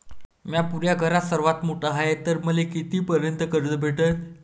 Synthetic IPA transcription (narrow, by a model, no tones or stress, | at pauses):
mjapuɾjaɡʱəɾat̪səɾʋat̪moʈəɦaet̪ːəɾməlekit̪iːpəɾjənt̪əkəɾt͡səbʱeʈət̪